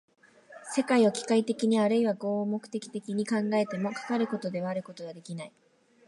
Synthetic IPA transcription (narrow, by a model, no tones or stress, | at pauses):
se̞kaio̞kʲi̥kait̪e̞kʲiɲ̟iaɾɯ̟iβaɡo̞ːmo̞kɯ̟̥t̪e̞kʲi̥t̪e̞kʲiɲ̟ikãŋɡae̞t̪e̞mo̞kḁkaɾɯ̟ko̞t̪o̞d̪e̞βaːɾɯ̟ko̞t̪o̞βad̪e̞kʲinai